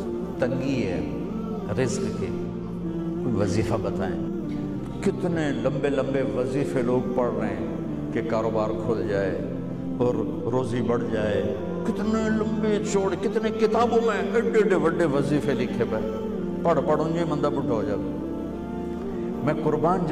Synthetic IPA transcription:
t̪ɐ̃ŋɡiɛ̰ː | ɾɪzkkʰḛː | kuːiʋɐziːfabɐt̪ʰa̰ːḛ | kɪt̪ɪnelɐ̃mbelɐ̃mbeʋɐziːfeloːk̚pɐɽ̤ɾəɦẽ | kekaːɾoːbaːɾkʰoːld͡ʑaːe | ɔːɾ | ɾoːzibɐɽ̤d͡ʑaːe | kɪt̪ɪnelɐmbet͡ʃoːɽkɪt̪ɪnẽkɪt̪aːbõmẽɐɖeɖeʋɐɖeʋɐziːfelɪkʰebə | pɐɽ̤pɐɽʊ̃ɲd͡ʑemɐ̃nd̪əbʊʈʰoɦoːd͡ʒaːd̪o | mɛ̃ːkʊɾbaːnd͡ʑ

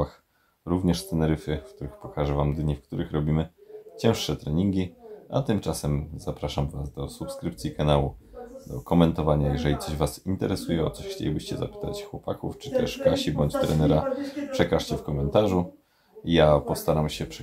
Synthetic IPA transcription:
ax | ɾuvɲɛʂst̪ɛnɛɾɘfɘfk̚t̪uɾɘxpɔkaʐɛvamd̪ɲifkt̪uɾɘxɾɔbʲimɘt͡ɕɛ̃w̃ʂʂɛt̪ɾɛɲiŋɡʲiʔa̰t̪ɘmt͡ʂasɛmzapɾaʂamvasd̪ɔsupskɾɘp̚t̪sʲikanawud̪ɔkɔmɛnt̪ɔvaɲajɛʐɛlʲit̪sɔʑvasint̪ɛɾɛsujɛɔ̰t̪sɔɕxt͡ɕḛlʲibɘɕt͡ɕɛza̰pɘ̥t̪a̰t͡ɕxwɔpakuft͡ʂɘ̥t̪ɛ̰ʂkaɕibɔɲt͡ɕt̪ɾɛnɛɾapʂɛkaʂt͡ɕɛfkɔmɛnt̪aʐu | japɔst̪aɾamɕɛpʂ

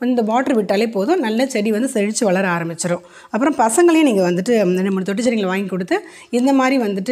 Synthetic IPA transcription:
nd̪ɐmaːʈːɐɾʋɪʈːaːleːpoːðʊ̃nɐlːɐt͡ʃɛɽiʋɐnd̪ɯsɛɻɪt͡ʃːɯʋɐɭɐɾaːɾɐmbɪt͡ʃːɐɾʊ̃ | ɐpːɯɾɔ̃mpɐsɐŋɡɐɭɐjẽniːŋɡɐʋɐnd̪ɯʈːɯɐnɐmːɐɐt̪ɔʈ̬ːɯt͡ʃːɐɾɪŋɡɐɭʋaːjŋkɔɽɯt̪ːɯ | ɪnd̪ɐmaːd̪ɾiʋɐnd̪ɯʈːɯ

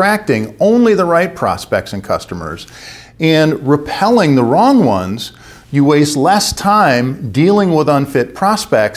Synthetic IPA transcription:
ɹ̥æk̚tɪ̃ŋõʊ̃nliðəɹaɪt̚pʰɹ̥ɑ̰spɛ̰k̚tsɨ̃n̩kʰʌ̰stəmə̰˞z | ɨ̃nɹɨpʰɛlˠɪ̃ŋðəɹɔ̃ŋwʌ̰̃nz̥ | jɨweɪsˡlɛstʰãɪ̃mdilˠɪ̃ŋwɪðʌ̃nfɪt̚pʰɹ̥ɑspɛk̚t

